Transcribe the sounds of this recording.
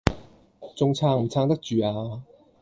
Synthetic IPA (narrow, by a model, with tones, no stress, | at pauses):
t͡sʊ˧ŋt͡sʰaː˧ŋm̩˨˩t͡sʰaː˧ŋt̪ɐ˥k̚t͡ʃyː˨aː˧